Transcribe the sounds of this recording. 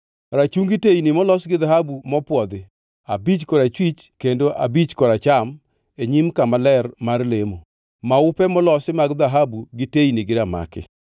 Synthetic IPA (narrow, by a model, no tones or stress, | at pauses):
ɾat͡ʃuŋɡɪtejnɪmɔlɔsɡɪðaɦabumɔpwɔd̪ɪ | abit͡ʃkɔɾat͡ʃwit͡ʃ | kendoʔa̰bit͡ʃkɔɾat͡ʃam | eɲimkamalɛrmarlemo | maʊpɛmɔlɔsɪmaɡd̪aɦabuɡɪtejniɡɪɾama̰kɪ̰